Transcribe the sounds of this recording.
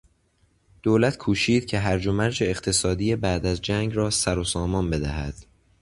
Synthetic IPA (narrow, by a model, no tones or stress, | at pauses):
d̪̥oːlæt̪ʰkʰuːʃiːd̪̥̚cʰe̞ɦæɾd͡ʒomæɾd͡ʒe̞ːqt̪ʰe̞sɒːd̪ijebæːd̪æzd͡ʒæːŋɡɾɒːsæɾosɒːmɒːnbe̞d̪æ̰hæ̰d̪̥